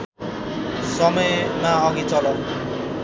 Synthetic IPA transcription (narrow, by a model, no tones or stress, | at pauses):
sʌmʌjmaʌɡit͡sʌlʌ